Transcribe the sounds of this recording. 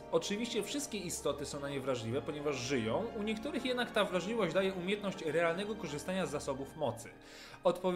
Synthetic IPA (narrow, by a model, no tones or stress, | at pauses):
ɔt͡ʂɘvʲiɕt͡ɕɛfʂɘst̪̚kʲɛist̪ɔt̪ɘsɔ̃w̃naɲɛvɾaʐlʲivɛpɔɲɛvaʐʐɘjɔ̃w̃uɲɛkt̪uɾɘxjɛd̪nakt̪avɾaʐlʲivɔɕd͡ʑd̪ajɛumʲjɛt̪nɔɕt͡ɕɾɛalnɛɡɔkɔʐɘst̪aɲazːasɔbufmɔt̪sɘ | ɔt̪pɔvʲ